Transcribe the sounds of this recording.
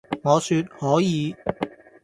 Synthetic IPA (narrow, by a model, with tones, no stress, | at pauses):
ŋɔː˨˧syː˧t̚hɔː˨˥jiː˨˧˦